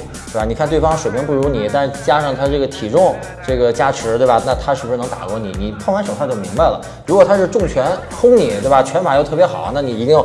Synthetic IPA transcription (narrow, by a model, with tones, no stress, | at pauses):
t̪e˥˧˩ba˩ni˨˩kʰa˥˧nt̪we˥˩ɪfɑ˥ŋʂwe˨˩ɪpʰi˧˥ŋpu˥˩ɻu˧˥ni˨˩˦t̪a˥˧ʂ̩˥˩t͡ɕja˥ʂɑ˥˩ŋt̪ʰa˥ʈ͡ʂɤ˥˩ɡə˩t̪ʰi˨˩ʈ͡ʂʊ˥˩ŋʈ͡ʂɤ˥˩ɡə˩t͡ɕja˥ʈ͡ʂʰɻ̩˧˥t̪we˥˧˩ba˩na˥˩t̪ʰa˥ʂɻ̩˥˩˧ʂɻ̩˥˩ɤ˧˥ŋt̪a̰˨˩kwɔ˥˩ni˨˩˦ni˨˩pʰŋwa˥nʂə˨˩ŋxʰa˥˧t͡ɕo˥˩mi˧˥ŋba˧ɪlə̰˩ | ɻu˧˥kwɔ˨˩t̪ʰa˥ʂɻ̩˥˧ʈ͡ʂʊ˥˩ŋt͡ɕʰɥɛ˧˥n | xʰʊ˥ŋni˨˩˦t̪we˥˩ɪba˨˩t͡ɕʰɥɛ˧˥npʰa˨˩jo˥˧ʊt̪ʰɤ˥˩pjɛ˧˥xɑ˨˩˦na˥˩ni˨˩i˧˥t̪i˥˧ŋjo˨˩